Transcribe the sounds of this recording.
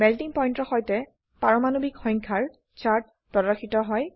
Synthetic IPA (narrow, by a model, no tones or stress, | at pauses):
bɛltiŋpɔjntɔxɔjtɛ | paɹɔmanobikxɔjŋkʰaɹ | t͡ʃaɹt̚ | pɹɔdaxitɔɦɔj